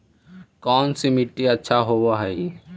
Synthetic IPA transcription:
kɔːnsimɪʈːiɐtːʃʰaɦoːwaɦɛi

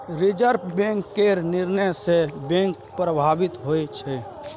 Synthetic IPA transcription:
ɾɪd͡ʒəɾpbẽŋkːeɾnɪɾnəjsebɛ̃ŋk | pɾəbʱaːbɪt̪ɦoet͡ʃʰɛ

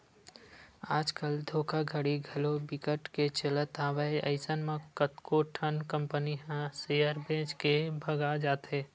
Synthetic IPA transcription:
aːd͡ʒkəld̪ʱoːkaɡʱəɽiɡʱəlobɪkəʈket͡ʃələt̪aːʋaiəɪsənmẽkət̪koʈʰənkə̃mpəniɦɛ̃sejəɾbẽːd͡ʒkebʱəɡad͡ʒaːt̪ɦẽː

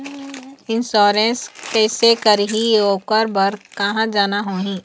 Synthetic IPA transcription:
ɪnsɔːɾẽskɛːsekəɾɦioːkəɾbəɾkɐɦãd͡ʒaːnaɦoːɦĩː

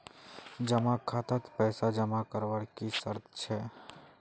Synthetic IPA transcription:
d͡ʒəmãkʰat̪ət̪pɛjsad͡ʒəmakəɾʋaɽkisə̰ɾt̪t͡ʃʰe

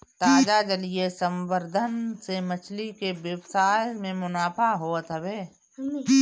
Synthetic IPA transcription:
t̪aːd͡ʒad͡ʒəliesə̃mbəɾd̪ʱənsemət͡ʃʰlikeʋjəwsaːjmẽmʊnaːpʰaɦoːt̪ɦəbeː

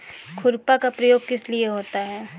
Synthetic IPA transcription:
kʰʊɾpakapɾɐjoːɡ̚kɪslieɦoːt̪aɦɛː

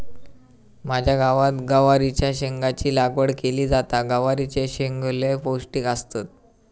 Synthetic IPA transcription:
mad͡ʑʱjaɡaʋat̪ɡəʋaɾit͡ɕjaɕeŋɡat͡ɕiːlaɡʋəɽkeliːd͡zat̪aɡəʋaɾit͡ɕeɕeŋɡleposʈiːkast̪at̪̚

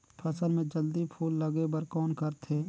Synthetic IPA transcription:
pʰɐsəlmẽd͡ʒəld̪ipʰuːlːɐɡebəɾkɔːnkəɾt̪ʰeː

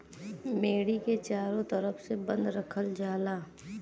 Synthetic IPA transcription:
meːɽiket͡ʃaːɾõt̪əɾəfsebə̃nd̪ɾəkʰəld͡ʒaːlaː

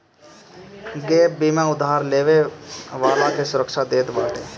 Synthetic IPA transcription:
ɡeːbiːmãʊd̪ːaːɾleːʋeʋaːlãkesʊɾəkʃad̪eːt̪ba̰ːʈeː

